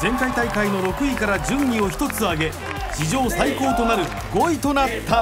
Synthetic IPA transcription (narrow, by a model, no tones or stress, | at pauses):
zẽ̞ŋkait̪aikaino̞ɾo̞kɯ̟ikaɾad͡ʑɨ̃ɲːʲio̞çi̥t̪o̞t͡sɨaɡe̞ | ɕiʑo̞ːsaiko̞ːt̪o̞naɾɯ̟ | ɡo̞it̪o̞nat̪ːa